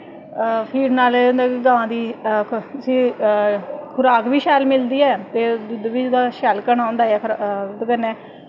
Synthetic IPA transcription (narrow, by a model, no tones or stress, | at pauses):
pʰiːɖnaːled̪aːɡããːd̪iː | əsĩː | kʰʊɾaːkʋiːʃɛːlmɪld̪iːɛːt̪eːd̪ʊd̪ʋiːd̪aːʃɛːlkənãːʊ̃nd̪aːɛːkʰɾd̪kənɛː